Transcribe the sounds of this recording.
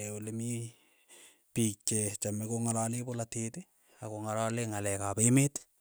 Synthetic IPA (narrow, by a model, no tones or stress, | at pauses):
olemi | pik̚t͡ʃet͡ʃamɛkoŋalalepolatete | akoŋalaleŋalɛkapemet